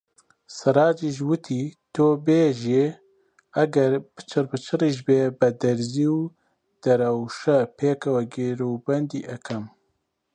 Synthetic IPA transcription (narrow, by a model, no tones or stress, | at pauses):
sɐɾaːd͡ʒiʒwɨt̪ʰiːt̪oːbeːʒi | ɐɡɐɾb̥ɨt͡ʃʰɨrbɨt͡ʃʰɨriʒbeːbɐd̪ɐɾziːw | d̪̥ɐɾɐwʃɐpʰeːkɐwɛɡeɾobɐnd̪ḭːʔɐkʰɐm